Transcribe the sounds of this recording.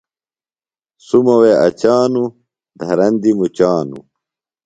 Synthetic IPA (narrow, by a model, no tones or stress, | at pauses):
sumɐweʔɐ̰t͡ɕaːnu | d̪ʱɐɾɐnd̪imut͡ɕaːnṵ